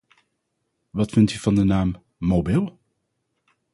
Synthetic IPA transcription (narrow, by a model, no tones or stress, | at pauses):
ʋɑtfɪntyv̥ɑndənaːmː | obɪlˠ